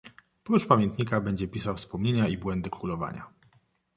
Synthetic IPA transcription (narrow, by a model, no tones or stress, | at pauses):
pɾuʂpamʲjɛnt̪ɲikabɛɲd͡ʑɛpʲisawfspɔmɲeɲaibwɛnd̪ɘkɾulɔva̰ɲa̰